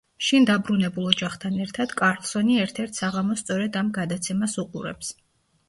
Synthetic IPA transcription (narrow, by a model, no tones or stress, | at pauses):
ʃind̪abɾunɛbulˠɔd͡ʒaχt̪ʰanɛɾt̪ʰad̪̥kʼaɾlˠsɔniɛɾt̪ʰɛɾt̪ʰsaʁamɔst̪sʼɔɾɛd̪amɡad̪at̪sʰɛmasuqʼṵɾɛ̰ps